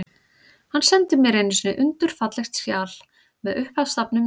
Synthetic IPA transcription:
hanːsɛnt̪ɪmɛɾejnɪsɪnːɪʔʏnt̪ʏɾ̥fat̪lɛxt̪sjaːl | mɛðʏhphast̪apnʏm

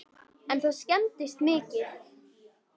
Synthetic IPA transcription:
ɛnθuscɛnt̪ɪst̪mɪːcɪθ

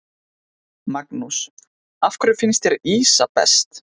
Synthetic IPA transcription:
maknus | afkɾʏfɪnst̪ɛɾiːsapɛ̰st̪

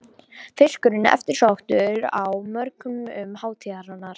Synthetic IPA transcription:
fɪskʏɾɪnɛ̰ft̪ɪɾ̥sawht̪ʏɾawmœɾkʏmʏmhaːwt̪ʰiaɾanːaɾ̥

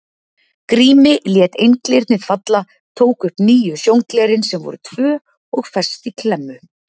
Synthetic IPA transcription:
kɾiːmɪljɛːt̪ejnklɪɾt̪nɪðfat̪la | t̪ʰoːwkʏhpniːjʏsjowŋklɛːɾɪnsɛmvɔ̰ɾʏt̪ʰvœː | ɔɣfɛ̥st̪ikʰlɛmːʏ

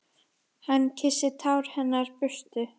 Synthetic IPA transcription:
hanːcʰɪsɪt̪ʰawɾ̥hɛnːaɾ̥pʏst̪ʏ

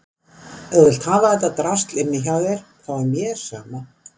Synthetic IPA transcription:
ɛɣvɪl̥t̪haːvaðɛht̪ːat̪ɾast̪lɪnːɪçawðɪɾ̥ | θawɛɾmjɛ̥sa̰ːma

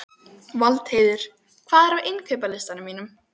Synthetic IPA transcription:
valt̪heːjðʏɾ̥ | kʰv̥aːðɛɾawʔɪnkʰœːpalɪst̪anʏmiːnʏm

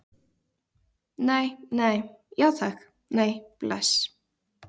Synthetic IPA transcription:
neːjnejjaθɛx | neːjplɛ̰s

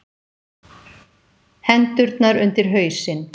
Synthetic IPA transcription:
hɛnt̪ʏɾt̪naɾʏnt̪ɪɾ̥ɦœːɥsɪn

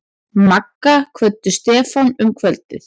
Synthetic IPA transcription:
makːakʰvœt̪ːʏst̪ɛːfanʏmkʰvœlt̪ɪ̰θ

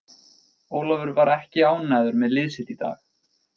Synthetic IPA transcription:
oːwlɔvʏɾvaɾɛhcɪaːwnajðʏɾmɛðlɪːðsɪt̪it̪a̰ːx

